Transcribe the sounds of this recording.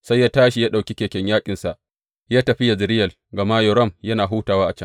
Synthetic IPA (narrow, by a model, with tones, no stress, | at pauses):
sa˦jːaː˦taː˦ʃi˦jaː˦ɗa˨wkʲi˦kʲeː˨kʲɛ˦ɲjaː˦kʲʼɪ˨nsa˨ʔ | jaː˦tɐ˨ɸɪ˦ja˨zɪ˨ɾɪ˦jɐ˨l | ɡɐ˨ma˦jɔ˨ɾɔ˦˨mjɐ˦naː˨ɦuː˦taː˨waː˦ʔa˨t͡ʃɐ˦ŋ